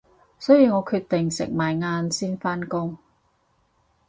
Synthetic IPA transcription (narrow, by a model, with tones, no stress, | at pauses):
sɵ˥jiː˨˧ŋɔː˨˧kʰyː˧t̪ɪ˨ŋsɪ̰˨˩k̚maː˨˩jŋaː˧nsiː˥nfaː˥nkʊ˥ŋ